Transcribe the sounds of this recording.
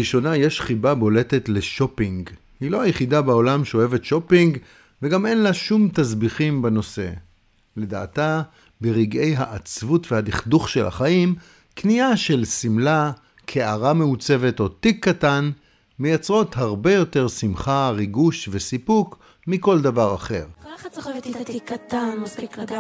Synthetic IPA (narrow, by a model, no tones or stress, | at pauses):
iʃo̞najeʃχibabo̞le̞tetle̞ʃo̞piŋɡ | hilo̞ajeχidabao̞lamʃeoevetʃo̞piŋɡ | veɡame̞nlaʃumtazbiχimbeno̞se̞̰ | le̞da̰ːta | beʁiɡe̞jɦaʔːt͡svutvehadiχduχʃe̞la̰χaʔim | kniaʃe̞lsimla | kʰeaʁameut͡se̞ve̞to̞tikʰːatan | mejat͡sʁo̞thaʁbe̞jo̞te̞ʁsimχaʁiɡuʃve̞sipuk | miko̞ldavaʁaχe̞̰ʁ